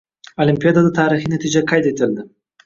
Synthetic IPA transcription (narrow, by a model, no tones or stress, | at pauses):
olimpijɑd̪ad̪ət̪ɑːɾixinat̪id͡ʒakɑjd̪et̪əld̪a